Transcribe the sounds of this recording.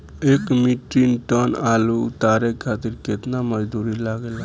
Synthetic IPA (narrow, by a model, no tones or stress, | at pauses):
ekmiʈinʈənaluːt̪aɾekʰat̪iɾket̪naməd͡ʒd̪uɾilaɡel